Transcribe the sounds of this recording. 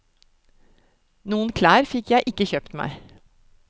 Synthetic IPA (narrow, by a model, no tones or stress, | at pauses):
nuːənkʰlæːɾfɪkʰjæɪʔɪkːəçœːpt̪mæ̰ɪ